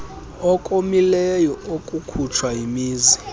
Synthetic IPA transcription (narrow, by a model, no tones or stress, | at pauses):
ɔkʼomilɛjɔokʼukʰut͡ʃʰwajimiːzi